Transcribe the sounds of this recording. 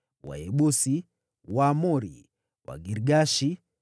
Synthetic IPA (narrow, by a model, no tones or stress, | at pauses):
wa̰ɛɓusi | wamɔɾḭ | wa̰ɡiɾɡaʃi